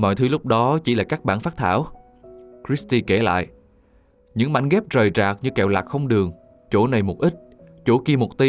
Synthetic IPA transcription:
mɔ̰˧˨jt̪ʰɨ˨˦lʊ˦˥k͡p̚ɗɔ˨˦t͡ɕi˧˩laː˨˩kaː˦˥k̚ɓa̰ː˧˨nfaː˦˥t̚t̪ʰaː˧˩w | kɾi˦˥st̪i˧ke˧˩la̰ː˧˨jʔ | ɲɨ̰˧˥ŋma̰˧˩jŋ̟ɣɛ˦˥p̚zəː˨˩jt͡ɕaː˨˩k̚ɲɨ˧kɛ˧˨˩wlaː˨˩k̚xə˧wŋ͡mɗɨ˨˩əŋ | t͡ɕo˧˥˩na˨˩jmo˨˩t̚ʔi˦˥t̚ | t͡ɕo˧˥˦ki˧əmo˨˩t̚t̪i˧

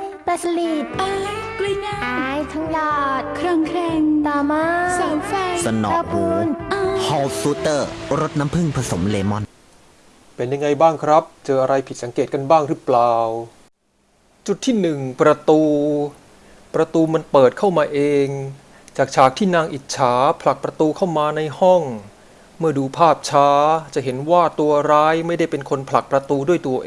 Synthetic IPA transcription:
pa˧sa˧li˨˩t̪̚ːkli˧˩˥ʔaː˨˧˩jt̪ʰa˦˥ŋlɔː˨˩t̪̚kʰɾa˧ŋkʰɾɛ˧ŋt̪ɔː˨˩maː˧˥sɔː˨˦ŋfa˧˩jsa˧nɔ˨˧a˧pʰuː˧n˧hɔː˧suː˦˥t̪ɤː˥˩ɾo˦˥t̪̚na˦˥mpʰɯ˥˩ŋpʰɾa˧so˩˦mleː˧mɔ˥˩n | pe˧nja˧ŋa˧jbaː˥˩ŋkʰɾa˦˥p̚t͡ɕɤː˧ʔa˧ɾa˧jpʰi˨˩sa˩˦keː˨˩t̪ka˧nbaː˥˩ŋɾɯ˦˥plaː˨˩w | t͡ɕu˨˩t̪ʰːiː˥˩nɯ˨˩ŋpɾa˧t̪uː˧ | pɾa˧t̪uː˧ma˧npɤː˨˩t̪̚kʰa˥˩wmaː˧ʔeː˧ŋ | t͡ɕaː˨˩k̚t͡ɕʰaː˨˩k̚t̪ʰiː˥˩naː˧ŋʔi˨˩t̪̚t͡ɕʰaː˩˦˥pʰla˨˩k̚pɾa˧t̪uː˧kʰa˥˩wmaː˧na˧jhɔ˥˩ŋ | mɯ˥˩ɐduː˧pʰaː˥˩p̚t͡ɕʰaː˦˥t͡ɕa˨˩ɦe˩˦nwaː˥˩t̪u˧ɐɾaː˦˥jma˥˩jda˥˩jpe˧nkʰo˧npʰla˨˩k̚pɾa˧t̪uː˧du˥˩əjt̪u˧ɐʔeː˧

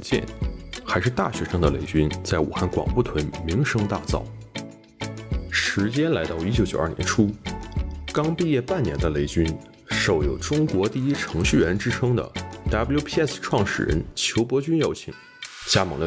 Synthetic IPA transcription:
t͡ɕjɛ̰˥˩nxa˧˥ɪʂɻ̩˥˧t̪a̰˥˩ɕɥɛ˧˥ʂɤ˥ŋd̪ə˨le˧˥ɪt͡ɕy˥nt͡sa˥˩ɪṵ˨˩xa˥˩nkwɑ̰˨˩ŋpu˥˩t̪ʰwə˧˥nmi˧˥ŋʂɤ˥ŋt̪a˥˧t͡sɑ̰˥˩ʊ | ʂɻ̩˧˥t͡ɕjɛ˥nla˧˥ɪt̪ɑ˥˧ʊi˥t͡ɕjo˧˥ʊt͡ɕjo˨˩ɐ˞˥˩njɛ˧˥nʈ͡ʂʰu˥ | kɑ˥ŋpi˥˧jɛ˥˧pa˥˩nnjɛ̰˧˥nd̪ə˧le˧˥ɪt͡ɕy˥n | ʂo˨˩ʊjo˨˩ʊʈ͡ʂʊ˥ŋkwɔ˧˥t̪i˥˩i˥ʈ͡ʂʰɤ˧˥ŋɕy˥˩ɥɛ˧˥nʈ͡ʂɻ̩˥ʈ͡ʂʰɤ˥ŋd̪ə̰˨t̪a˥blju˥pʰi˥˧ɛ˥˩sʈ͡ʂʰwɑ˥˩ŋʂɻ̩̰˨˩ɻə̰˧˥nt͡ɕʰjo˧˥ʊpwɔ˧˥t͡ɕy˥njo˧˥ʊt͡ɕʰḭ˨˩ŋ | t͡ɕja˥mɑ˧˥˩ŋd̪ə˧

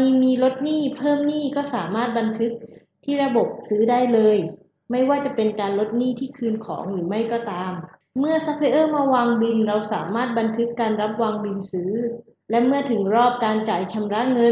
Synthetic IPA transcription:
iː˧miː˧lo˦˥t̪̚niː˥˩pʰɤː˥˩mniː˥˩kɔː˥˩saː˩˦maː˥˩t̪̚ba˧nt̪ʰɯ˦˥k̚ | t̪ʰiː˥˩ɾa˧bo˨˩p̚sɯː˦˥daː˥˩jlɤː˧j | ma˥˩jwaː˥˩t͡ɕa˨˩pe˧nkaː˧nlo˦˥t̪̚niː˥˩t̪ʰiː˥˩kʰɯː˧nkʰɔ̰ː˩˦ŋɾɯː˩˦ma˥˩jkɔː˥˩t̪aː˧mː | ɯ˥˩ɐsa˦˥pʰa˧ʔɤː˥˩maː˧waː˧ŋbi˧nɾa˧wsa̰ː˩˦maː˥˩t̪̚ba˧nt̪ʰɯ˦˥kːaː˧nɾa˦˥p̚waː˧ŋbi˧nsɯː˦˥ | lɛ˦˥mɯ˥˩ɐt̪ʰɯ˩˦ŋɾɔː˥˩p̚kaː˧nt͡ɕaː˨˩jt͡ɕʰa˧mɾa˦˥ʔŋɤ˧

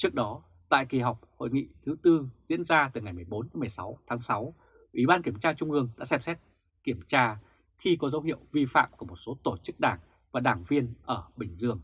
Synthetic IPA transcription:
t͡ɕɨ˦˥ək̚ɗɔ˨˦ | t̪a̰ː˧˨jki˨˩ɦa˨˩wk͡p̚ho̰˧˨jŋḭ˧˨t̪ʰɨ˨˦t̪ɨ˧zḭ˧˥ənzaː˧t̪ɨ˨˩ŋa˨˩jmɨ˨˩əjɓo˨˦nt̪mɨ˨˩əjsa˨˦wt̪ʰaː˨˦ŋsa˨˦w | ʔwi˧˩ɓaː˧nki˧˩əmt͡ɕaː˧t͡ɕʊ˧ŋ͡mʔɨ˧əŋɗa̰ː˧˥sɛ˧˩msɛ˦˥t̚ | ki˧˩əmt͡ɕaː˧ | xi˧kɔ˨˦zə˨˦whḭ˧˨əwvi˧fa̰ː˧˨mku˧˩mo˨˩t̚so˨˦t̪o˧˩t͡ɕɨ˦˥k̚ɗaː˧˩ŋ | vaː˨˩ɗaː˧˩ŋvi˧ənʔəː˧˩ɓï˧˩ŋ̟zɨ˧˩əŋ

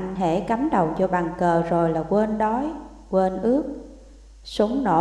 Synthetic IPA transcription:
ʔnɦḛ˧˥ka˨˦mɗə˨˩wzɔ˧ɓaː˨˩ŋkəː˨˩zo˨˩jlaː˨˩kwe˧nɗɔ˨˦j | kwe˧nʔɨ˦˥ək̚ | su˨˦ŋ͡mno̰˧˩

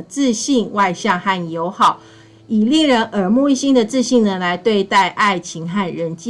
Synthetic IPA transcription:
t͡sɹ̩˥˧ɕi˥˧ŋwa˥˧ɪɕjɑ˥˧ŋxa˥˩njo˧˥ʊxɑ˨˩˦ʊ | i˨˩li˥˩ɻə˧˦nʔə˞˨˩mu˥˧i˥˧ɕi˥nd̪ə˨t͡sɹ̩˥˧ɕi˥˩ŋnə˨˩la˨˧˦ɪt̪we˥˧ɪt̪a˥˧ɪʔa˥˩ɪt͡ɕʰi˧˥ŋxa˥˩nɻə˧˦nt͡ɕ

